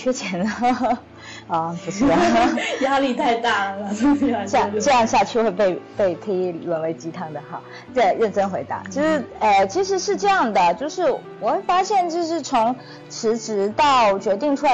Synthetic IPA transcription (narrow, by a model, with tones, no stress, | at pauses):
t͡ɕʰɛ˥t͡ɕʰjɛ˧˥nə˧˩ | ɐ˧˩pu˧˥ʂ̩˥˩˨ja˥li˥˧t̪ʰa˥˧ɪt̪a˥˩˨ʈ͡ʂɤ˥˧jɑ˥˧ŋɕja˥˧t͡ɕʰy˥˧xwe˥˧ɪpe˥˧ɪpe˥˩ɪk̪ʰə˧˥i˧˥˩lwə˨˩nle˧˥˩ɪt͡ɕi˥t̪ʰɑ˥˩ŋd̪ə˩xɑ̰˥˧˩ | t͡sa˥˩ɪɻə˥˩nʈ͡ʂə˥nxwe˧˥ɪt̪a̰˧˥˦t͡ɕʰo˥˧˥ʂɻ̩˥˩ə˧˩t͡ɕʰi˧˥ʂ̬ɻ̩˧˥ʂɻ̩˥˧ʈ͡ʂɤ˥˧jɑ˥˩ŋd̪ə˩t͡ɕjo˥˧ʊʂɻ̩˥˩ | wɔ˨˩xwe˥˩ɪfa˥ɕjɛ˥˧nt͡ɕjo˥˧ʊʂɻ̩˥˩t͡sʰʊ˧˥ŋ | ʈ͡ʂʰɻ̩˧˥ʈ͡ʂɻ̩˧˥t̪ɑ˥˩ʊt͡ɕɥɛ˧˥t̪i˥˧ŋʈ͡ʂʰu˥˧